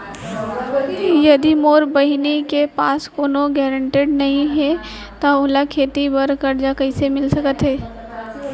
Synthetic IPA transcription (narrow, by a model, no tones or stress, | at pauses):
jɐd̪imoːɾbɐɦinekepaːskoːnõɡɛːɾə̃ɳʈeɖnɐɦĩɦɛ | t̪aoːlakʰeːt̪ibɐɾkɐɾd͡ʒakɐɪsemɪlsɐkət̪ɦɛː